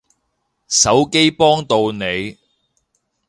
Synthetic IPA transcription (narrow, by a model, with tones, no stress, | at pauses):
sɐ˨˥wke˥jpɔː˥ŋt̪o˧wne˨˧j